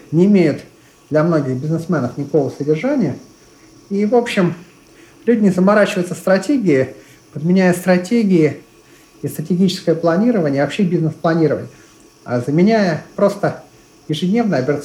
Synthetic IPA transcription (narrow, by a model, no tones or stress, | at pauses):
nʲɪːmʲejʊt̪ | d̪lʲɐmno̞ɡʲɪɣbʲɪznɨsmɛnəfnʲɪko̞vəsədʲɪrʐanʲɪjə | ivo̞pɕːɪm | lʲudʲɪnʲɪzəmaɾat͡ɕɪvəjɪt̪səst̪ɾɐtʲeɡʲɪɪ | pəd̪mʲɪnʲæjəst̪ɾɐtʲeɡʲɪɪ | ist̪ɾətʲɪɡʲit͡ɕɪskəjəplˠɐnʲiɾəvənʲɪəːvɐpɕːebʲiznɨsplˠɐnʲiɾəvə̰nʲɪjə | a̰zəmʲɪnʲæjəpɾo̞st̪ə | jɪʐɨdʲnʲe̞vnəjɐbʲɪɾət̪s